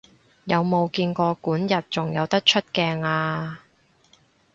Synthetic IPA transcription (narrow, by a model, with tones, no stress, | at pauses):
jɐ˨˧wmo˨˧wkiː˧nkɔː˧kuː˨˥njɐ˨t̚t͡sʊ˨˩ŋjɐ˨˧wt̪ɐ˥k̚t͡ʃʰɵ˥t̚kɛː˧ŋaː˧